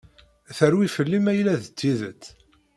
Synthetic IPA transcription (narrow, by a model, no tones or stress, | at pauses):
θəɾwifəlːimæjlæðət͡s̪ːiðət͡sː